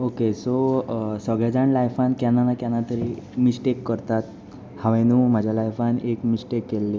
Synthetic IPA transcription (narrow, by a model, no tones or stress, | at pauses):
okesosəɡɭjad͡zaɳlajfankjanːanakanat̪əɾiːmisʈekːəɾt̪at̪ | hãʋẽnũːm̤ad͡ʑʱjalajfanekmisʈekːelːe